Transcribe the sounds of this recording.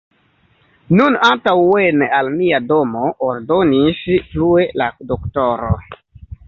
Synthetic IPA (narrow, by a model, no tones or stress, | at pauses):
nunantawwenalmiado̞moʔːɾdo̞nisplue̞ladoktoɾo̰